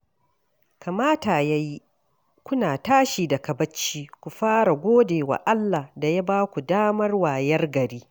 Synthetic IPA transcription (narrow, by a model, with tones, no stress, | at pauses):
ka˨maː˦taː˨ja˦ji˦ | kʷʊ˦naː˨taː˦ʃiː˨da˨kɐ˨bɐ˦t͡ʃːiː˦kʷu˨ɸaː˦ɾa˨ɡʷoː˦deː˨wa̰˨ʔa˦lːa˨hda˨ja˦baː˦kʷu˨daː˦mɐ˦rwaː˨jɐ˦rɡɐ˨ɾiː˦